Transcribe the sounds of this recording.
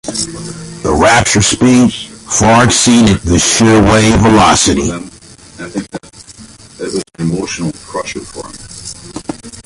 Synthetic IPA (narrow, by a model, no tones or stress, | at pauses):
ðəɹæp̚t͡ʃə˞spidfɑɹɡsĩnɨt̪̚ðɨʃɪɹweɪvəlɑsɨɾḭ | θɪ̃k̚ðt | əʔ̚wʌzn̩ɨmoʊʃn̩l̩ˠkʰɹ̥ʌʃə˞fɔ̰ɹm